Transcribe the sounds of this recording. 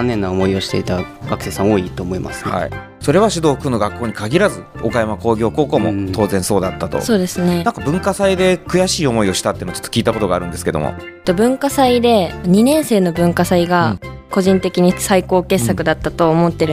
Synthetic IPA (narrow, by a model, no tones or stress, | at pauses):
anːẽ̞nːaomo̞io̞ɕi̥t̪e̞it̪aɡ̥akɯ̥se̞sãŋo̞ːit̪oːmoima̰sɨ̥ha̰ḭ | so̞ɾe̞βaɕid̪o̞ːkɯ̟no̞ɡakːo̞ːɲ̟ikaɡʲiɾazɨo̞kajamako̞ːɡʲo̞ːkoːko̞ːmo̞̰t̪o̞ːzẽ̞so̞ːd̪at̪ːat̪o̰so̞ːd̪e̞sɨnnãŋkabɯ̟̃ŋkasaid̪e̞kɯ̟jaɕiːo̞mo̞io̞ɕi̥t̪at̪eɯnot͡ɕotːokʲiːt̪ako̞t̪o̞ɡaːɾɯ̟̃nd̪e̞sɨ̥ke̞d̪omʔo̰t̪ːo̞bɯ̟̃ŋkasaid̪e̞ɲ̟inẽ̞ɰ̃se̞ːno̞bɯ̟̃ŋkasaiɡako̞ʑĩnt̪e̞kʲiɲ̟isaiko̞ːke̞ssːakɯ̟d̪at̪ːat̪o̞ːmo̞t̪ːe̞ɾɯ